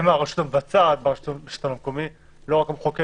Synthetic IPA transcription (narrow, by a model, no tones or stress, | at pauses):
maʁeʃu̥t̪amvat͡sat̪̚baʁʃut̪beʃu̥t̪anamkomi | loʁakamχoke